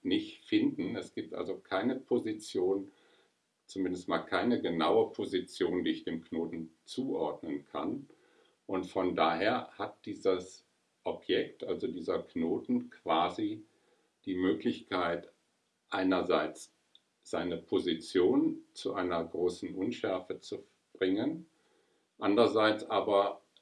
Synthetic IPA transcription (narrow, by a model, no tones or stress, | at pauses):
nɪçtfɪndn̩ɛsɡ̥iːp̚tʔa̰lzokʰaɪnəpʰozit͡sjoːn | t͡sumɪndəstmaːlkʰaɪnəɡənaʊəpʰozit͡sjoːndiːɪçd̥eːmknoːtn̩t͡suːʔɔɐdnənkʰa̰n | ʔʊntfɔndaːɦeːɐhat̚d̥iːzəs | ʔɔpʰjɛk̚tʔalzodiːzɐknoːtn̩kv̥aːzi | d̥iːmøːklɪçkʰaɪt | ʔaɪnɐzaɪt͡s | z̥aɪnəpʰozit͡sjoːnt͡suʔaɪnɐɡʁoːsn̩ʔʊnʃɛɐfət͡su | b̥ʁɪŋən | ʔandʁɐzaɪt͡sʔaːbɐ